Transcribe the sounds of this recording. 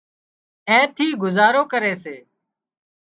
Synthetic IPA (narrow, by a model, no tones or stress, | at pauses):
ẽːt̪ʰiːɡʊzaːɾoːkəɾeːseː